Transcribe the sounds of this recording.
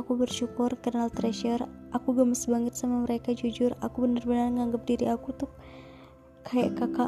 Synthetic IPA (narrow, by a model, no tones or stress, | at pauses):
akubərʃukʊrkərnalt̪ɾɛʃərʔakuɡaməsbaŋət̪̚samaməɾekad͡ʒud͡ʒʊrakubənərbənərŋaŋɡəp̚diɾiakut̪ʊp̚ | kaaʔkaka